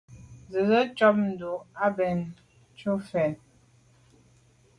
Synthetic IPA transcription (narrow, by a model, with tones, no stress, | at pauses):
zə˨zə˦t͡ʃɔ˦p̚n̩˨du˨a˦bɛ˨n | t͡ʃu˦fɛ˨n